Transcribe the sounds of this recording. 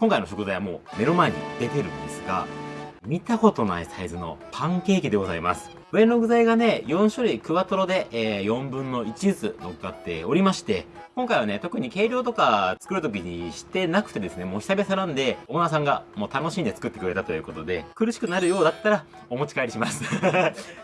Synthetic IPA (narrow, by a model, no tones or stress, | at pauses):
kõ̞ŋkaino̞ɕ̬o̞kɯ̟zajβamo̞̰ːme̞ɾomaeɲ̟ḭd̪e̞t̪e̞ɾɯ̟̃nd̪e̞sɨ̥ɡa̰mʲit̪aho̞t̪o̞na̰isaizɨno̞̰pʰãŋke̞ːkʲid̪e̞ɡo̞za̰ima̰sɨ̥ | ɯ̟enoɡɯ̟zaiɡane̞jõ̞ɰ̃ɕoɾɯikɯ̟βat̪o̞ɾo̞d̪e̞ːjõ̞mbɯ̟̃nːo̞it͡ɕit͡sɨno̞kɯkːat̪ːe̞̰o̞ɾʲimaɕi̥t̪e̞kõ̞ŋkaiβ̞ane̞t̪o̞kɯ̟ɲ̟ike̞ːɾʲo̞ːt̪o̞kat͡sɨ̥kɯ̟ɾɯ̟t̪̬o̞k̬ʲiɲ̟iɕi̥t̪e̞nakɯ̟̥t̪e̞d̪e̞sɨne̞mo̞ːçʲi̥abʲesaɾãnd̪e̞oːnas̬ãŋɡamo̞ːt̪ano̞ɕĩːnd̪e̞t͡sɨ̥kɯ̟t̪ːekɯ̟ɾe̞t̪at̪o̞jɯ̟ːko̞t̪od̪e̞̰kɯ̟ɾɯ̟ɕi̥kɯ̟naɾɯ̟jo̞ːd̪at̪ːaɾa | o̞mo̞t͡ɕi̥kaiɾʲiɕimasɨ̥